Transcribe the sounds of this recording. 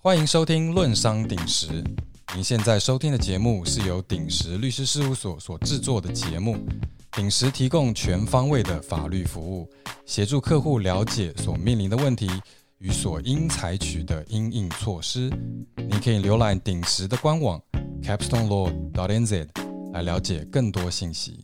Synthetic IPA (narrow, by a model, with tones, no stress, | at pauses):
xwa˥ni˧˥ŋʂo˥ʊt̪ʰi˥ŋlwə˥˨nʂɑ˥ŋt̪i˨˩ŋʂɻ̩˧˥ | ni˨˥nɕjɛ˥˧nt͡sa˥˩ɪʂo˥ʊt̪ʰi˥ŋd̪ə˨t͡ɕjɛ˧˥mu˥˧ʂɻ̩˥˩jo˧˥ʊt̪i˨˩ŋʂɻ̩˧˥ly˥˩ʂɻ̩˥ʂɻ̩˥˧u˥˩swɔ˨˩swɔ˨˩ʈ͡ʂɻ̩˥˧t͡swɔ˥˩d̪ə˩t͡ɕjɛ˧˥mu˥˩ | t̪i˨˩ŋʂɻ̩˧˥t̪ʰi˧˥kʊ˥˧ŋt͡ɕʰɥɛ˧˥nfɑ˥ŋwe˥˩ɪd̪ə˩fa̰˨˩ly˥˩fu˧˥u˥˩ | ɕjɛ˧˥ʈ͡ʂu˥˧kʰɤ˥˧xu˥˩ljɑ˧˥ʊt͡ɕjɛ˨˩swɔ˨˩mi˥˩ŋli˧˥nd̪ə˧wə˥˩nt̪ʰi˧˥ | y˧˥swɔ˨˩i˥ŋt͡sʰa˧˥ɪt͡ɕʰy˨˩d̪ə˦ʔi˥ŋi˥˧ŋt͡sʰwɔ˥˩ʂɻ̩˥ni˨˩nkʰɤ˧˥i˨˩ljo˧˥ʊla˧˥ɪt̪i˨˩ŋʂɻ̩˧˥d̪ə˧kwa˥nwɑ˨˩ŋkʰɛ˥pt̪ɔ˥ŋlɔ˥˩d̪ɑ˨˥ɾɛ˥nzɛ˥˩d̪la˧˥ɪljɑ˧˥ʊt͡ɕjɛ˨˩kə˥˩ŋt̪wɔ˥ɕi˥˩nɕḭ˧˥